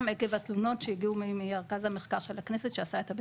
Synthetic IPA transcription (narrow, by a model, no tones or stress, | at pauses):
mekevat̪luno̞tʃejiɡiumimimeʁkazhameχkaʁʃelaknesetʃeasaet̪abe